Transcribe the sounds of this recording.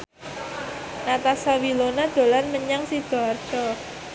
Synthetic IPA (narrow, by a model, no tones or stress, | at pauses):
nat̪asawilonad̪̥o̤lanməɲaŋsid̪̥ɔart͡ʃɔ